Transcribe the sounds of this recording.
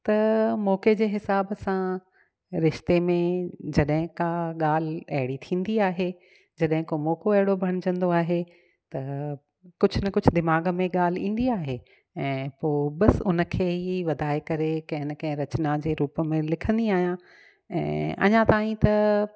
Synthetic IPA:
t̪ɐmɔːked͡ʑeːɦɪsaːbsã | ɾɪʃt̪emẽd͡ʑɐɗɦɪ̃kaɠaːl̤ɐ̰ɦɪɽit̪ʰĩːn̆d̪iaːɦe | d͡ʑɐɗɦɪ̃komɔːkoɐɦɪɽobʱɐɽ̃d͡ʑɐ̃nd̪oaːɦe | t̪ɐ | kʊd͡ʑʱʰʊnɐkʊd͡ʑʱd̪ɪmaːɡəmẽɠaːl̤ɪĩːn̆d̪iaːɦe | ɛ̃ːpoːɓɐsʊnəkʰeːɦiʋɐd̪ʱaːekɐɾekɐ̃ɦɪnəkɐ̃ɦɪ̃ɾɐt͡ɕnad͡ʑeːɾuːpəmẽlɪkʰə̃nd̪iaːɦijã | ɛ̰̃ːɐ̰ɲãt̪aːĩt̪ɐ

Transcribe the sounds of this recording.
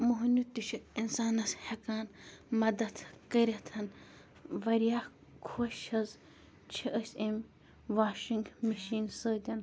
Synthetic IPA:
muɦnut̪iʃʰiinsaːnɐshekaːnmɐd̪ɐt̪ʰkəɾʲɐt̪ʰɐn | ʋɐɾijaː | kʰoʃɐz | t͡ʃʰiʔɐsʲem | ʋaːʃiŋɡmiʃiːnsəːd̪ʲɐn

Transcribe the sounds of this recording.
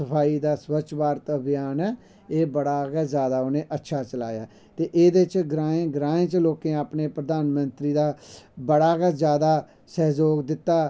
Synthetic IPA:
səpʰaːiːd̪aːswət͡ʃʰʋaːɾt̪əbijaːnɛː | eːbəɽaːɡɛːzjaːd̪aːoːnẽːʔətːʃʰaːt͡ʃəla̰ːjaː | t̪eːʔeːd̪et͡ʃɡɾãːẽːɡɾãːẽːt͡ʃloːkẽːaːpneːpɾəd̪aːnmənt̪ɾiːd̪aːbəɽaːɡɛːzjaːd̪aː | sɛːzoːɡd̪ɪt̪ːaː

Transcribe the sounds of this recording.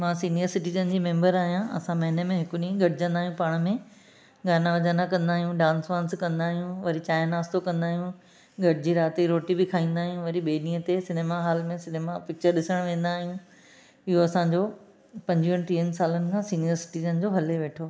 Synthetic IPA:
mãːsiːnijəɾsɪʈiːzənd͡ʑiːmẽːmbəɾaːɦijãɐ̰sãmɐɦɪnemẽɦɪkʊɗĩːə̃ɡɐɽɪd͡ʑɐ̃nd̪aːɦjũpaːɽ̃mẽ | ɡaːnaʋɐd͡ʑaːnakɐ̃nd̪aːɦijũɖãːnsʋãːnskɐ̃nd̪aːɦijũʋɐɾit͡ɕaːɪnaːst̪okɐ̃nd̪aːɦijũ | ɡʱɐɽɪd͡ʑiɾaːt̪iɾoːʈibɪkʰaːĩːnd̪aːɦijũʋɐɾiɓeːɗĩːə̃t̪esɪneːmaɦaːlmẽsɪneːmapɪk̚t͡ɕəɾɗɪsəɽ̃ʋẽːn̆d̪aːɦijũ | ɪɦoɐsãɲd͡ʑoː | pɐ̃ɲd͡ʑiənʈɾiːənsaːlənɪ̆kʰãːsiːnijəɾsɪ̥ʈiːzənd͡ʑoɦɐleʋeːʈʰoː

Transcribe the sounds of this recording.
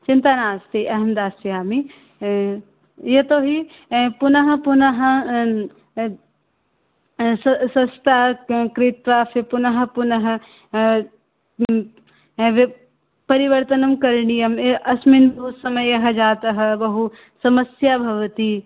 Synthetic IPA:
t͡ʃɪnt̪anaːst̪iʔɐɦɐmd̪aːsijaːmi | jɐt̪oɦi | punɐɦɐ̆punɐɦɐ̆ | sɐsɐst̪aːɦkɾɪt̪ʋaːfepunɐɦɐ̆punɐɦɐ̆ | ʋe | pɐɾiʋɐɾt̪ɐnɐmkɐɾɳijɐmeʔɐsminbuːsɐmɐjɐɦɐd͡ʒaːt̪ɐɦɐ̆bɐɦu | sɐmɐsjabʱɐʋɐt̪i

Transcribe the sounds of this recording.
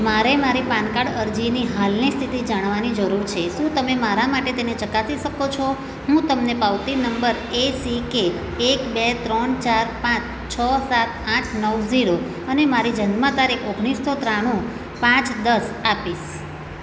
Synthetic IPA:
maɾemaɾipankaɽəɾd͡ʒiniɦalnist̪ʰit̪id͡ʒaɽ̃ʋanid͡ʒəɾuɾt͡ʃʰeʃũt̪əmemaɾamaʈet̪enet͡ʃəkat̪iʃəkot͡ʃʰo | ɦũt̪əmnepaʋt̪inəmbəɾ | esikeː | kbet̪ɾənt͡ʃaɾpãt͡ʃʰ | t͡ʃʰəsat̪ãʈʰnəwziɽo | ənemaɾid͡ʒənmãt̪aɾikʰoɡɽ̃isːot̪ɾaɽ̃ũ | pãt͡ʃd̪əsapiʃ

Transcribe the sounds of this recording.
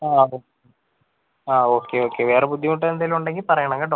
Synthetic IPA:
aːoːke | aːoːkːeoːkːeʋeːɾebud̪ʱːiuɳʈ̬ːɐend̪ɐluɳɖɐŋɡipɐɾɐjɐɳɐŋɡɐɖɐ

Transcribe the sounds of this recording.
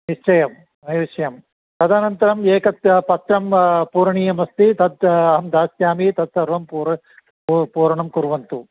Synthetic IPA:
niʂt͡ʃɐjɐm | ɐjʋɐʂɐjɐm | kɐd̪aːnɐnt̪ɐɾɐmeːkɐt̪pɐt̪ɾɐmpuːɾɐɳijɐmɐst̪it̪ɐd̪̚ɐɦɐmd̪aːsjaːmit̪ɐt̪̚sɐɾʋɐmpuɾɐ | puːɾɐɳɐmkuɾʋɐnt̪u

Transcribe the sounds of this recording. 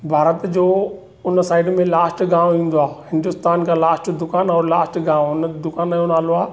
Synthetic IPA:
bʱaːɾət̪d͡ʑoː | ʊnəsaːɪɖmẽlaːsʈɡãːʋõĩːn̆d̪oaːhɪ̃nd̪ʊst̪aːnkʰãːlaːsʈd̪ʊkaːnɔːɾlaːsʈɡãːʋõʊnəd̪ʊkaːnajonaːloaː

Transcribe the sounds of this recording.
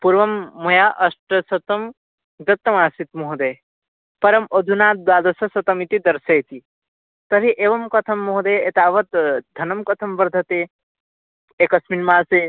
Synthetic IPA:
puɾʋɐmːɐjaʔɐsʈɐsɐt̪ɐm | d̪ɐt̪ːɐmaːsit̪muɦd̪e | pɐɾɐmod̪ʱunaːt̪̚d̪aːd̪ɐsɐsɐt̪ɐmit̪id̪ɐɾsɐjt̪ʰi | t̪ɐɾiʔeːʋɐmkɐt̪ʰɐmːoɦd̪eet̪aːʋɐt̪d̪ʱɐnɐmkɐt̪ʰɐmbɐɾd̪ʱɐt̪e | ekɐsminmaːse

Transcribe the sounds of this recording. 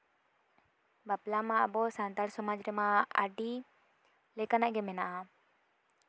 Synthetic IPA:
baplamaa̰bɔsant̪alsɔmad͡ʒɾɛmaa̰ɖi | lɛkanaʔɡɛmɛnaʔa

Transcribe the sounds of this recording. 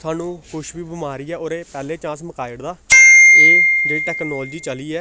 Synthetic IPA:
sʰaːnũːkʊʃbiːbəmaːɾiːɛːoːɾeːpɛːleːt͡ʃãːsməkaːɪɽd̪aːeːd̪eʈɛːknɔːld͡ʒiːt͡ʃəliːɛː

